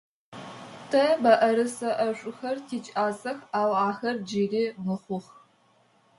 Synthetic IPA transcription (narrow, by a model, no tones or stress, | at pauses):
tʰɐbɐʔɐɾɨsɐʔɐɕʷʼʊxɐrtʰiːt͡ʃʼaːsɐxaːwaːxɐrd͡ʒiriːmɨχʷʊχ